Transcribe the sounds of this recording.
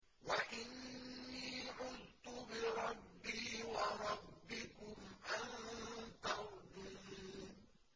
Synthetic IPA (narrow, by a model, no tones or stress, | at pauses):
waʔɪnːiːʕʊðt̪ʊbɪɾˤɑbːiːwaɾˤɑbːɪkʊmʔannt̪aɾd̪un